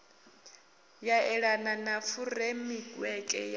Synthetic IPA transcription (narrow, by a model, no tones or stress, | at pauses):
jaɛɺananafuɾemiɡwɛkʼɛ̰j